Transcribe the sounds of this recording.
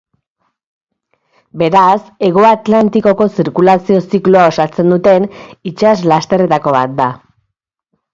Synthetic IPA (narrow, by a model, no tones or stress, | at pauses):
be̞ɾase̞ɣ̞oat̪lant̪iko̞ko̞siɾkulasio̞sikluao̞sat͡se̞nd̪ut̪e̞nit͡ʃazlast̪e̞re̞t̪ako̞βa̰t̪̚d̪a